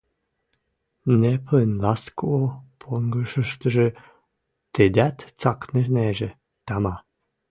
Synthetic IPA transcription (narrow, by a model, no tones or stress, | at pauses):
nepʰənlɑskoopʰoŋɡəʃə̆ʃt̪ə̆ʒĕ | t̪ed̪ʲæt̪t͡sɑkneneʒĕ | t̪ɑmɑ